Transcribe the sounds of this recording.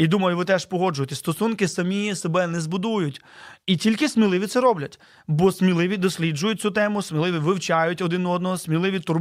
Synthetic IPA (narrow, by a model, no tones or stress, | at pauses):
id̪umɐjʊʋɪt̪ɛʃpɔɦɔd͡ʒʊjt̪ɛst̪ɔsunkɪsɐmʲijsebɛnɛzbʊd̪ujʊtʲitʲilʲkɪsmʲilˠɪʋʲit̪sɛɾɔblʲɐtʲ | bɔsmʲilˠɪʋʲid̪ɔsʲlʲid͡ʒʊjʊt̚ʲt͡sʲut̪ɛmʊsmʲɪlˠɪʋʲiʋɪwt͡ʃɑjʊtʲɔd̪ɪnɔɔd̪nɔɦɔsmʲilˠɪʋʲit̪ʊr